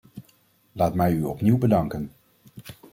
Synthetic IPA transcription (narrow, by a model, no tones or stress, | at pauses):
laːtmɛjyɔpniwbədɑŋkən